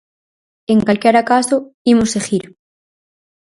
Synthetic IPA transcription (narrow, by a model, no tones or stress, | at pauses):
eŋkalkeɾakasoimoseɣiɾ